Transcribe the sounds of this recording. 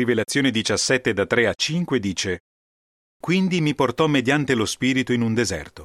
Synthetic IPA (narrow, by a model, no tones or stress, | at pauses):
ivelat̪sːjoːned̪it͡ʃasːɛt̪ːed̪at̪ːɾeat͡ʃːiŋkwed̪iːt͡ʃe | kwind̪imiport̪ɔmːed̪jant̪elospiːɾit̪oinund̪ezɛ̰rt̪o̥